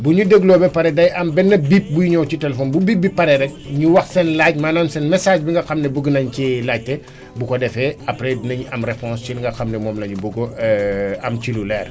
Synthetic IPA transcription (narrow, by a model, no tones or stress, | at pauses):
buɲudeɡlɔːbɛpɐɾɛdɐjʔɐmbɛnːɐbip̚bujiɲɔːwcitɛlɛfɔːnbubibːipɐɾɛɾɛk̚ɲuwɐxsɛnlaːc̚maːnaːmsɛnmɛsaːʃbiŋɡɐxɐmnɛbuɡənɐɲcilaːc̚tɛ | bukɔdɛfɛɐpɾɛdinɐɲɐmrɛpɔ̃st͡ʃilŋɡɐxɐmnɛmɔːmlɐɲubuɡoɛɐmt͡ʃilulɛːr